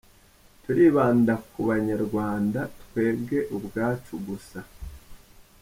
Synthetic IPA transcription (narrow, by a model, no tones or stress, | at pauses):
tuɾiːβaːndakuβaɲaɾɡwaːndatkwe̞ːbɡe̞ʔubɡaːt͡ʃuɡusa